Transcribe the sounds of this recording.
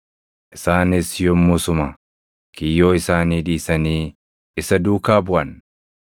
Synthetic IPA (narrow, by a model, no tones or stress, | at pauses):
ʔɪsaːnɪsjɔmːʊsʊmɐ | kɪjːo̞ːɪsaːniːd̪iːsɐniː | ɪsɐd̪uːkaːbʊʔɐn